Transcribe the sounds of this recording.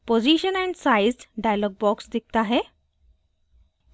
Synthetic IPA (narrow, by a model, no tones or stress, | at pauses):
pod͡ʑiɕənɛ̃ɳɖsajzɖajlɔɡ̚bɔksd̪ik̚ʰt̪aɦe